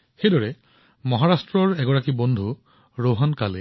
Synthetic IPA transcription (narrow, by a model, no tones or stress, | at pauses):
xejdɔɹɛ | mɔɦaɹastɹɔɹɛɡɔɹakibɔnd̪ʱu | ɹoɦɔnkale